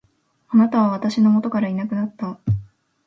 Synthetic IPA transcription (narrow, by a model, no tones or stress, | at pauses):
anat̪aβaβ̞at̪aɕino̞mo̞t̪o̞kaɾainakɯ̟nat̪ːa